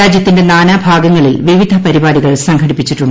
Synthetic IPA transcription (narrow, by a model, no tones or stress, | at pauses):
aːd͡ʑjɐt̪ːinde̞naːnaːbʱaːɡɐŋːɐɭilʋiʋid̪ʱɐpɐɾibaːɽiɣɐɭsɐŋkʰɐɽipːit͡ɕːiʈːuɳɖɨ